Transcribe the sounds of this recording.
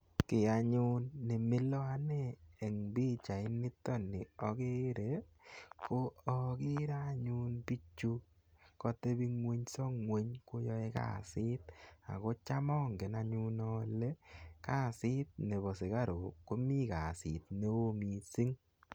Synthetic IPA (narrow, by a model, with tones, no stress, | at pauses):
kɪ˨a˨ɲʊ˦nːe˨mɪ˦lɔ˦a˦neː˦˨ŋbi˦t͡ʃa˨ɪ˦nːɪ˦tɔ˦nɪ˨ɔ˨ke˦ɾe˨ | ko˦ɔ˨kɪ˦ɾa˦ɲu˦npi˦t͡ʃu˦ | kɔ˦te˦bi˦ŋwe˦ɲsɔ˦ŋwe˦ɲko˦jɔ˦e˦ka̰˦˨sɪ˦t̪̚a̰˨ko˦t͡ʃa˦mɔ˦ŋɡe˨na˧ɲu˦nɔ˦le˦ka˦˨sɪ˦t̪̚ne˨βɔ˨sɪ˨ka˦ɾo˨ko˦mi˦ka˨sɪ˨t̚ne˦o˦mi˨si˦ŋ